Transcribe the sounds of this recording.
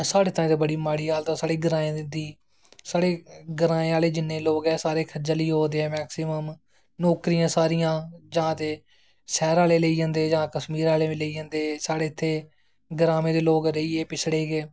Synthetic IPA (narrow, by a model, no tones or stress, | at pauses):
saːɽeːt̪ãːẽːd̪eːbəɽiːmaːɽiːɦaːlt̪ãːsaːɽeːɡəɾaːẽːd̪iː | saːɽeːɡəɾãːẽːaːleːd͡ʒɪnːeːloːɡɛːsaːɾeːkʰəd͡ʒaliːɦoːd̪eːɛːmɛːksɪməm | nɔːkɾijãːsaːɾijãːd͡ʒãːt̪eː | sɛːɾaːleːleiːd͡ʒə̃ːnd̪eːd͡ʒãːkəsmiːɾaːlẽːleiːd͡ʒə̃ːnd̪eːsaːɽeːt̪ʰːeː | ɡəɾaːmẽːd̪eːloːɡɾəiːeːpɪt͡ʃʰɽeːɡeː